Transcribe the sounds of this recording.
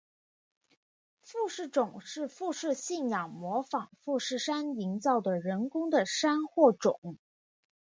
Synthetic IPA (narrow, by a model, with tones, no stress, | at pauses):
fu˥˧ʂɻ̩˥˩ʈ͡ʂʊ˨˩ŋʂɻ̩˥˧fu˥˧ʂɻ̩˥˧ɕi˥˩njɑ˨˩ŋmwɔ˧˥fɑ˨˩ŋfu˥˧ʂɻ̩˥˩ʂa˥ni˧˥ŋt͡sɑ˥˩ʊd̪ə˩ɻə˧˥nkʊ˥ŋd̪ə˨ʂa˥nxwɔ˥˩ʈ͡ʂʊ̰˨˩˦ŋ